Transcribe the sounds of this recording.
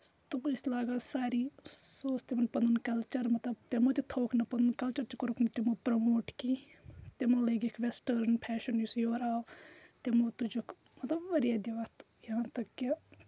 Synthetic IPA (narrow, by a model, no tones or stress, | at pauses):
t̪umɪslaːɡasaːɾiːsoːst̪emɐnpɐnd̪unkɐlt͡ʃɐɾmɐt̪lɐbt̪emot̪it̪ʰoːkʰnɐpɐnd̪unkɐlt͡ʃɐɾt͡ʃkoɾukʰnɐt̪emopɾɐmoːʈki | t̪emoleɡekʰʋesʈəɾnpʰɛːʃɐnjusjoːɾaːo | t̪emoːt̪ud͡ʒokʰ | mɐt̪lɐbʋɐɾijaːd̪iʋat̪ | jɐɦãːt̪ɐkːe